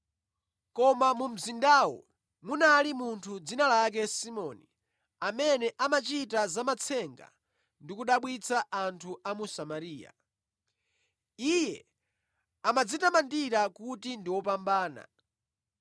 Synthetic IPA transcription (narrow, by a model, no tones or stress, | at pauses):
kɔmamum̩zindaːwɔ̰ | munalimuntʰud͡zinalak̬ɛsimɔni | amɛnɛʔamat͡ʃitazamat͡sʰɛŋɡa̰ | ndikuɗaɓwit͡sʰaʔantʰuamusamaɾiːja̰ | ijɛ | amad͡zitamandiɾakutindiwɔpambaːna̰